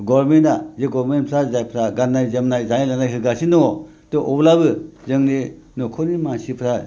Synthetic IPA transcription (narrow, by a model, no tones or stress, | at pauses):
ɡɔɾmentazeɡɔɾmenpʰɾazajpʰɾaɡanajzemnajzajlanajɦɯɡasinɔ | tɔʔɔblabɯzɯŋle | nɔkʰɔnimansipʰɾa